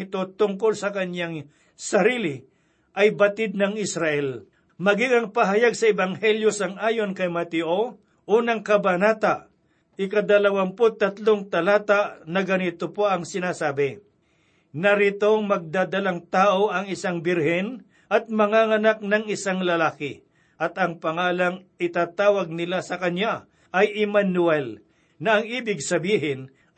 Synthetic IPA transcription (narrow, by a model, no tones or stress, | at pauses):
ɪt̪o̞t̪ʊŋkolsɐkɐnjaŋ | sɐɾiːlɪ | ʔɐjbɐt̪ɪd̪̚nɐŋɪsɾaʔɛl | mɐɡɪŋɐŋpɐɦajaɡ̚sɐɛbaŋhɛljosɐŋʔaːjonkɐjmɐt̪ɪʔo | ʔonɐŋkɐbanaːt̪aʔ | ʔɪkɐd̪ɐlɐwampot̪ɐt̪loŋt̪ɐlaːt̪aʔnɐɡɐnɪt̪opoɐŋsɪnaːsaːbɪ | nɐɾɪt̪o̞ŋmɐɡ̚d̪aːd̪ɐlaŋt̪aːʔoʔɐŋɪsaŋbɪɾhɪn | ʔɐt̪̚mɐŋaŋɐnak̚nɐŋɪsaŋlɐlaːkɪ | ʔɐt̪ɐŋpɐŋaːlɐŋɪt̪aːt̪aːwɐɡ̚nɪlasɐkɐɲja | ʔɐjɪmanʊɛl | nɐːŋiːbɪɡsɐbiːɦɪn